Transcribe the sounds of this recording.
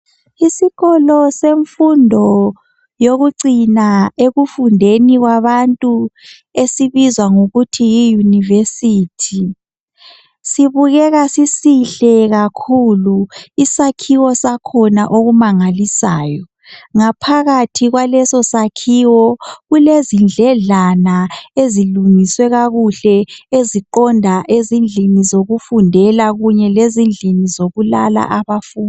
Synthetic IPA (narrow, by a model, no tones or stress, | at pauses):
isiɣɔlɔseɱfundʱɔ | joɣuǀinaeɣufundʱeniɣwaβantʼu | esiβizwaŋuɣutʰijijunivesitʰi | siβuɣɛɣasisiɬɛɣakʰuluisakʰiwɔsakʰɔnaʔoɣumaŋalisaːjɔ | ŋapʰaɣatʰiɣwalɛsɔsakʰiwɔɣulezind͡ɮʱɛɮanaeziluŋiswɛɣaɣuɬɛeziǃɔndʱaʔezind͡ɮʱinizoɣufundʱɛlaɣuɲɛlezind͡ɮʱinizoɣulala̰ʔaβafuːnd